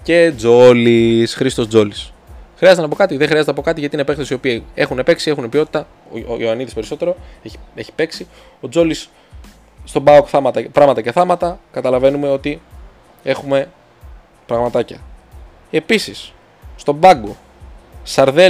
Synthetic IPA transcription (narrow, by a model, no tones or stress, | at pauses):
ce̞d͡zo̞lisxɾist̪o̞zo̞lis | xɾiɐzt̪enɐpo̞kɐt̪iðexɾiɐzet̪ɐpo̞kɐt̪iʝɐt̪inepeŋkθesio̞pie̞xunepeksie̞xunepio̞t̪i̥t̪ɐ | oɐniðispe̞ɾiso̞t̪e̞ɾo̞e̥e̞çi̥pe̞ksi | o̞d͡zo̞lisː | t̪o̞bɐokθɐmɐt̪ɐpɾɐɣmɐt̪ɐce̞θɐmɐt̪ɐkɐt̪ɐlɐve̞nume̞o̞t̪i | e̞xume̞ | pɾɐɣmɐt̪ɐcɐ | e̞pisis | st̪o̞bɐɡo | sɐɾðe